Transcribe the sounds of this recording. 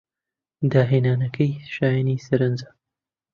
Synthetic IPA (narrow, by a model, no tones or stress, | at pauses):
d̪aːɦeːnaːnɐkʰɐjʃaːjanisɐɾɨnza